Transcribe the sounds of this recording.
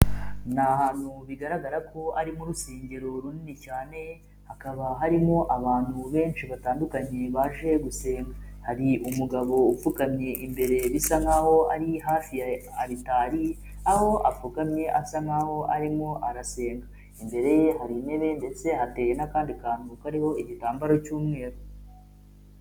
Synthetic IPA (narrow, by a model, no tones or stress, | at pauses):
naɦaːn̥huβiɡaɾaɡaɾako̞aɾimuɾuseːɲɟe̞ɾo̞ɾuninicaːne̞ | hakaβaɦaɾimo̞ʔaβaːn̥huβe̞ːnʃiβataːndukaɲe̞βaʒe̞ɡuse̞ːŋɡa | haɾiumuɡaβo̞ufukamɲe̞ʔimbe̞ɾe̞βisaŋaho̞aɾiɦaːfiaɾitaːɾi | aho̞ʔafukamɲe̞ʔasaŋaho̞ʔaɾimo̞ʔaɾase̞ːŋɡa | imbe̞ɾe̞je̞haɾine̞βe̞nde̞t͡se̞hate̞jenakaːndikaːnukaɾiho̞iɟitaːmbaɾo̞cuːmŋe̞ːɾo